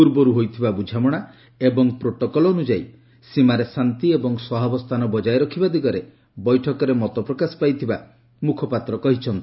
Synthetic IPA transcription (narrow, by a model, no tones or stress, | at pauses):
puɾbɔɾuɦojt̪ʰibabud͡ʒʱamɔɽ̃a | ebɔŋpɾoʈɔkɔlɔːnud͡ʒaj | simaɾesant̪iebɔŋswɔɦabɔst̪ʰanɔbɔd͡ʒajɾɔkʰibad̪iɡɔɾe | bɔjʈʰɔkɔɾemɔt̪ɔpɾɔkasɔ̥pajt̪ʰiba | mukʰɔpat̪ɾɔkɔɦit͡ʃʰɔnt̪i̥